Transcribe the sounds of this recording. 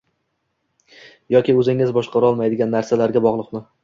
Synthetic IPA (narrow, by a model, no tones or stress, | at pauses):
jɒkʲɪɵzɪŋːɪzbɒʃqɑɾɒlˠmajd̪ɪɡʲanːaɾsalaɾɡʲabɒʁlˠʊqmɪ